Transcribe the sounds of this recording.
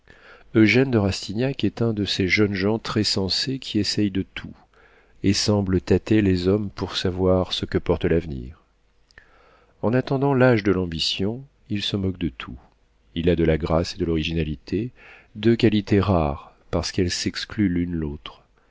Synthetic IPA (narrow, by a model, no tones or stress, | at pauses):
øʒɛnd̪əʁast̪injakɛt̪ɛ̃d̪əseʒənʒɑ̃t̪χɛsɑ̃sekʲʰiɛsɛjd̪ət̪ʰu | esɑ̃blət̪at̪elezɔmpuʁsavwaʁsəkəpɔʁt̪əlavnḭːʁ | ɑ̃nat̪ɑ̃d̪ɑ̃laʒd̪əlɑ̃bisjɔ̃ | ilsəmɔk̚d̪ət̪ʰu | ilad̪əlaɡʁased̪əlɔʁiʒinalit̪ʰed̪økʲalit̪eʁaʁ | paʁsə̥kɛlsɛksklylynlot̪χ